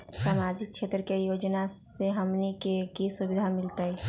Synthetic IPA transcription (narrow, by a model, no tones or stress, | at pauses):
saːmad͡ʒɪk̚t͡ʃʰeːt̪ɾəkejoːd͡ʒna | eɦəmnikekisʊbɪd̪ʱamɪlt̪ai